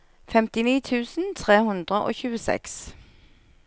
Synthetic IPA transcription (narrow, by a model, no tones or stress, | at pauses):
fɛmt̪ɪniːt̪ʰʉːsn̩t̪ʰʁeːhʉnd̪ʁəʔo̰ːçʉːəsɛ̰ks